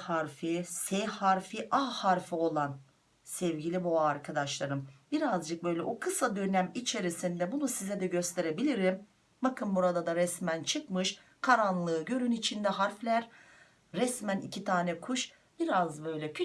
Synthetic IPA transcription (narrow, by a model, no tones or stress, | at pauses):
haɾfisɛhaɾfiʔahaɾfio̞lˠan | sɛvɟilʲibuaɾkʰad̪aʃlˠaɾɯmbiɾazd͡ʒɯk̚bø̞jlʲɛʔukʰɯsad̪ønæmit͡ʃʰe̞ɾisind̪ɛbunusizɛd̪ɛɟøst̪ʰe̞ɾe̞bilʲiɾim | bakʰɯnbuɾad̪ad̪aɾɛsmænt͡ʃʰɯkmɯʃ | kʰaɾanlˠɯːɟø̞ɾynit͡ʃʰind̪ɛɦaɾflʲæɾː | ɛsmænḭcʰit̪ʰaːnɛkʰuʃ | b̥iɾazbø̞jlʲɛ